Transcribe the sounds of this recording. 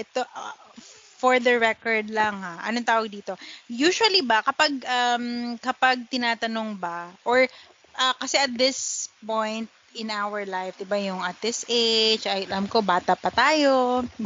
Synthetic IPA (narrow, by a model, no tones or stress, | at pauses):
ʔɛt̪oʔ | foɹd̪ɐɹɛkɔɹd̪lɐŋhaʔɐ̰noŋt̪aːwɐɡ̚d̪iːt̪o̞juːʃʊɐlibɐkɐpaɡ̚ʔɐmkɐpaɡ̚t̪ɪnaːt̪ɐnoŋbɐʔoɹ | ʔɐkɐsɛʔɐt̪̚d̪ɪspõjnt̪̚ɪnʔawɐɹlajfd̪ɪbajʊŋʔɐt̪̚d̪ɪsʔet͡ʃɐllamko̞baːt̪ɐpɐt̪aːjo